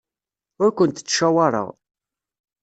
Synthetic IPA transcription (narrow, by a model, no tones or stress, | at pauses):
ʊɾkʷənt̪ə̥t͡sːʃæwɑɾˤə̰ʁ